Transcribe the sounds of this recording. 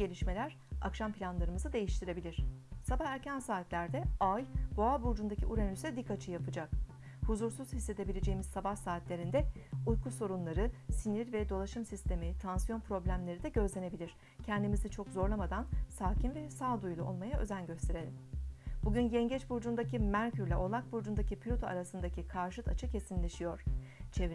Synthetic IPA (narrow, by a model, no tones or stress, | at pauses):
e̞lʲiʃme̞lʲæɾ̥ | a̰kʃampʰilʲanlˠaɾɯmɯzɯd̪e̞jiʃt̪ʰiɾe̞bilʲiɾ̥sabahæɾcʰænsaːt̪lʲæɾd̪ɛajb̥oabuɾd͡ʒund̪acʰiʔuɾenysɛd̪ikʰːat͡ʃʰɯjapʰɯd͡ʒak̚ | huzuɾsuz̥hisːe̞d̪e̞bilʲe̞d͡ʒe̞jimizsabahsaːt̪lʲe̞ɾind̪ɛujkʰuso̞ɾunlˠaɾɯsiniɾvɛd̪o̞lˠaʃɯmsist̪ʰe̞mit̪ʰansijo̞npɾo̞blʲæmlʲe̞ɾid̪ɛɟø̞zlʲe̞ne̞bilʲiɾ̥ | cʰɛnd̪imizit͡ʃʰo̞kzo̞ɾlamad̪ansaːcʰinvɛsaːd̪ujlˠuo̞̰lˠmajaʔø̞̰zænɟø̞st̪ʰe̞ɾe̞lʲimb̥uɟynɟɛɲɟɛt͡ʃbuɾd͡ʒund̪acimæɾcyɾlʲɛʔo̞lˠak̚buɾd͡ʒund̪acipʰlʲut̪ʰoa̰ɾasɯnd̪acikʰaɾʃɯt̪at͡ʃʰɯcʰe̞sinlʲeʃijo̞ɾ̝̥t͡ʃʰe̞